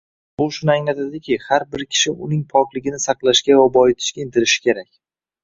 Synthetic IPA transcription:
bʊʃʊnɪajnat̪ʰad̪ɪkʲʰɪhaɾbɪɾkʲʰɪ̥ʃɪʔʊnɪŋpʰɒklˠɪɡʲɪnɪsɑqlˠaʃkʲavabɒɪt̪ʰɪ̥ʃkʲaɪnt̪ʰɪɾɪʃɪ̥kʲe̞ɾakʲ

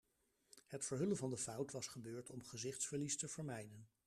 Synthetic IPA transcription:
hətfəɹɦɵlənvɑndəfʌwtʋɑsχəbøːɹtʰɔmχəzɪχtsfəɹlistəvəɹmɛjdən

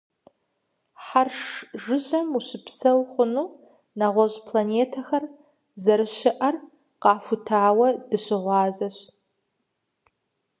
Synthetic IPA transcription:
ħarʂʒɨʑɐmuɕɨpsɐwχʷʊnuː | naʁʷɔʑpʰlaneːtʰɐxɐr | zɐɾɨɕɪʔɐr | qɑːfʊtʰaːwɐdɨɕɪʁʷɑːzɐɕ

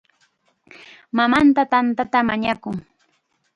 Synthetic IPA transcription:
mamant̪at̪ant̪at̪amaɲakʊŋ

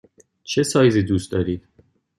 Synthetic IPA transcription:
t͡ʃʰe̞sɒːjziːd̪uːst̪d̪ɒːɾiːd̪̥

